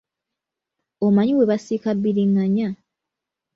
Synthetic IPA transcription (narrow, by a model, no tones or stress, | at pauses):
omaɲiweβasikabːiɾiŋɡaɲa